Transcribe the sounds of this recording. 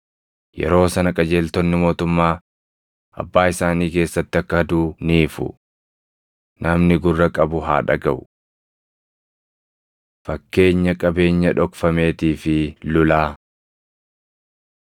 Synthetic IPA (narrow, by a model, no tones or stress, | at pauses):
jɛ̰ɾo̞ːsɐnɐkʼɐd͡ʒe̞ːlt̪ɔnːɪmo̞ːt̪ʊmːaː | ʔɐ̰bːaːɪsaːniːke̞ːsːɐt̪ːɪɐkːɐhɐd̪uːniːfʊ̰ | nɐmnɪɡʊrːɐkʼɐbʊɦa̰ːᶑɐ̰ɡɐʔʊ̥ | fɐkːe̞ːɲːɐkʼɐbe̞ːɲːɐᶑɔkfɐme̞ːt̪iːfɪlʊlaː